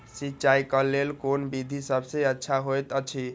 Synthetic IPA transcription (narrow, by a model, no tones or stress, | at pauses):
sit͡ʃaikəlelkonbid̪ʱisəbʱsẽətːʃʰaɦojt̪ət͡ʃʰi